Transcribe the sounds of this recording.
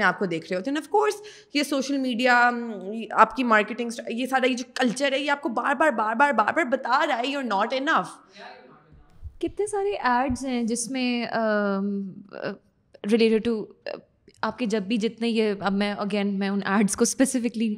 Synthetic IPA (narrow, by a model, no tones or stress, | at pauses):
nẽaːp̚kod̪eːkʰɾeɦeɦoːt̪eɛ̃nʋfkoːɾs | jesoːʃəlmiːɖija | aːpkimaːɾkɪʈɪ̃ŋɡsjesaːɾajed͡ʒoːkɐlt͡ʃəɾɦɛjeaːp̚kobaːɾbaːɾbaːɾbaːɾbaːɾbaɾbɐt̪ad͡ʒaːejɔːɾnɔːʈɪnɐf | kɪt̪nesaːɾeʔɛːɾɖzɦɛ̃d͡ʒɪsmẽə | ɾɪleːʈɪɖ̚ʈu | aːp̚ked͡ʒɐbːid͡ʒɪt̪nẽjeɐbmɛ̃ɐɡɛːnmɛ̃ʊnɛːɾɖzkospɛsɪfɪkli